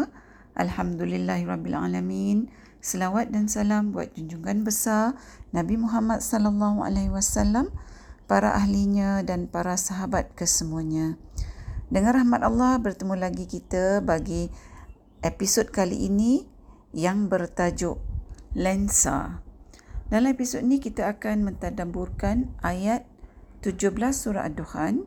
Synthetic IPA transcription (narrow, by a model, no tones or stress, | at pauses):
ʔa̰lhamd̪ulilːahrɑbːila̰lamin | səlawat̪̚dansalambua̰t̪̚d͡ʒuɲd͡ʒuŋanbəsarnãbimuɦamat̪̚sɔlalːaɦua̰laɦwasalːampaɾa̰ʔaɦliɲãdanpaɾasaɦabat̪̚kəsəmuaɲã | dəŋãnraɦmat̪alːɑhbərt̪əmũlaɡikit̪abaɡi | ʔepisod̚kalḭʔini | jaŋbərt̪ad͡ʒʊʔlɛnsa̰ | dalamepisot̪inikit̪aakanmə̃nt̪adaburkanʔajat̪̚ːud͡ʒʊhbəlasːuɾa̰ʔadohan